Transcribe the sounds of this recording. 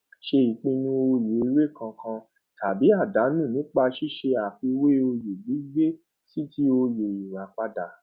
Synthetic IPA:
ʃe˧i˨k͡pĩ˧nũ˧o˧je˨i˧˦ɾe˦˨kã˧kʰã˧ | ta˨bi˨˦a˦˨da˨˦nũ˦˨nĩ˨˦k͡pa˧ʃi˦ʃe˧a˨fi˧we˦o˧je˨ɡ͡bi˨˦ɡ͡be˦ | si˦ti˦o˧je˨i˨ɾa˨k͡pa˧da˨

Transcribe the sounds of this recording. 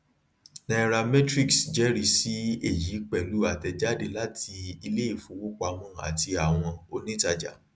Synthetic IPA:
na˧˦ɾa˧mɛ̃˦tɾi˦ksd͡ʒɛ˨˦ɾi˧˦si˦e˦˨ji˨˦k͡pɛ˦˨lu˨˦a˦˨tɛ˧d͡ʒa˦de˧la˦tʰi˧i˧le˦i˦˨fũ˨˦wu˦k͡pa˧mɔ̃˦˨a̰˨ti˧a˨w̃ɔ̃˧o˧nĩ˦ta˧d͡ʒa̰˨

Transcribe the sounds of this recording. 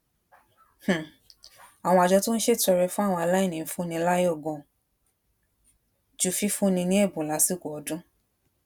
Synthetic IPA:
h̩˨ | a˨w̃ɔ̃˧a˨d͡ʒɔ˧˦to˦n̩˦ʃe˦˨tɔ˧ɾɛ˧fũ˦a˦˨w̃ɔ̃˧a˧la˦i˦˨nĩ˨˦fũ˦nĩ˧la˦jɔ˦˨ɡɔ̃˨ | d͡ʒu˦˨fi˦fũ˦nĩ˧nĩ˦e˦˨bũ˨la˨˦si˦˨ko˨ɔ˨˦dũ˦

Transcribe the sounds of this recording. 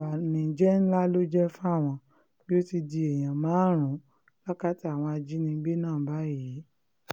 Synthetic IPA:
a˨nĩ˨d͡ʒɛ˦n̩˦la˦lo˦d͡ʒɛ˦fũ˦a˦˨w̃ɔ̃˧ | ki˦o˦ti˧di˧ɛ˨j̃ã˨mãː˨˦ɾ̃ũ˨˦ | la˦ka˦ti˦a˨w̃ɔ̃˧a˧d͡ʒi˨˦nĩ˧˦ɡ͡be˦nãː˦˨ba˨˦˨ji˨˦

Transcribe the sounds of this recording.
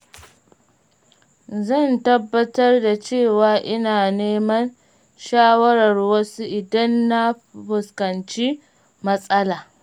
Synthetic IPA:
zɐ˦˨ntɐ˦bːɐ˦tɐ˦rda˨t͡ʃeː˦˨waː˨ʔɪ˦naː˨neː˦mɐ˦n | ʃaː˦wɐ˦ɾɐ˨rwɐ˦su˦ʔɪ˨dɐ˦nːa˦ | ɸʊ˨skɐ˨nt͡ʃi˦ | mɐ˦sʼɐ˦laː˨

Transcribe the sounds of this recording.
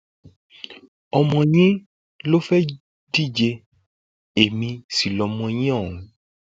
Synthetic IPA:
ɔ˧mɔ̃˧ɲ̃ĩ˦ | lo˦fɛ˦ | di˦˨d͡ʒe˧ | e˨mĩ˧si˨lɔ˨mɔ̃˧ɲ̃ĩ˦ɔ̃˦˨ũ˨˦

